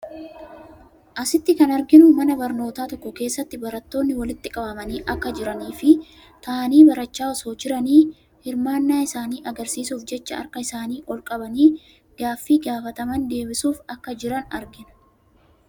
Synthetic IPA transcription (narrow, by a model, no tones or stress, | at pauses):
ʔɐsɪt̪ːɪkɐnɐɾɡɪnʊmɐnɐbɐɾno̞ːt̪aːt̪ɔkːɔke̞ːsːɐt̪ːɪbɐɾɐt̪ːo̞ːnːɪwɐlɪt̪ːɪkʼɐbɐmɐniːʔɐkːɐd͡ʒɪɾɐniːfɪ | t̪ɐːniːbɐɾɐt͡ʃːaːɔso̞ːd͡ʒɪɾɐniː | hɪɾmaːnːaːɪsaːniːʔɐɡɐɾsiːsuːfd͡ʒɛt͡ʃːɐɐ̰ɾkɐɪsaːniːʔɔlkʼɐbɐniː | ɡ̥aːfːiːɡaːfɐt̪ɐmɐnd̪e̞ːbɪsuːfɐkːɐd͡ʒɪɾɐnɐ̰ɾɡɪnʊ̥